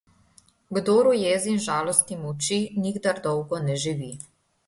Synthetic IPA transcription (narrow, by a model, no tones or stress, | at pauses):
ɡd̪oːɾujeːzinʒaːlɔst̪imut͡ʃiniɡd̪aɾd̪ɔwɡɔnɛʒiʋi